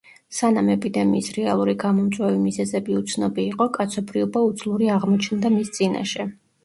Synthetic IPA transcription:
sanamɛpʼid̪ɛmiːsɾɛalˠuɾiɡamɔmt̪sʼwɛvimizɛzɛbiut̪sʰnɔbiːqʼɔkʼat̪sʰɔbɾiɔbaut̪sʰlˠuɾiaʁmɔt͡ʃʰnd̪amist̪sʼina̰ʃɛ

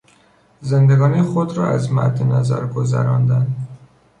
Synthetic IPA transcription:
zend̪eɡɒːnixod̪ɾɒːæzmæ̰ɾd̪enæzæ̰ɾɡozæ̰ɾɒːnd̪ænd̪

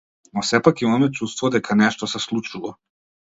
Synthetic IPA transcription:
nɔsɛpakiɔmɛt͡ʃust̪vɔd̪ɛkʰanɛʃt̪ɔsɛslˠut͡ʃuvɔ

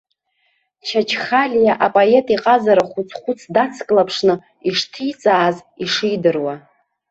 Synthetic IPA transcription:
t͡ʃʰat͡ʃʰχalʲjaʔapʼoe̞tʼiqʼazaɾaχʷut͡sʰχʷʊt͡sʰdat͡sʰkʼlapʰʂnɨ | iʂtʰijt͡sʼaːziʂijdɨrwa

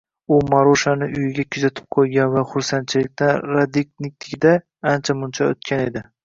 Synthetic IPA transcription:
ʊmaɾoʃanɪʔʊjɪɡʲakʲʰʊzat̪ʰɪ̥p̚qʰojɡʲanvaχʊɾsant̪t͡ʃʰɪlɪk̚ʲt̪ʰanɾad̪iknɪk̚ʲt̪ʰɪkʲɪd̪a | ant͡ʃʰamʊnt͡ʃʰao̰t̪kʲʰane̞d̪ɪ

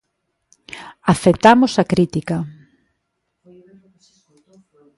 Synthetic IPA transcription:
aθet̪amosɐkɾit̪ikɐ

